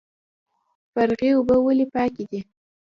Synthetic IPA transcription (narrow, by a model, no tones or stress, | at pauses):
faɾɣeubəwəlipɑkid̪i